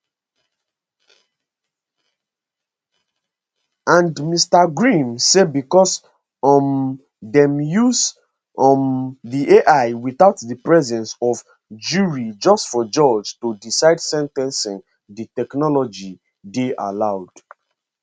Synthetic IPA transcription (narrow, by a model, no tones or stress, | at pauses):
ãndmistaɡɹĩmsebikɔs | m | dɛ̃mjuz | ðiʔeʔaɪwiθaʊtðəpɹɛzɛ̃nsɔv | d͡ʒuɹid͡ʒɔstfɔd͡ʒɔd͡ʒtodisaɪdsɛ̃ntɛ̃nsĩn | ðitɛknɔlɔd͡ʒi | deʔa̰laʊd̥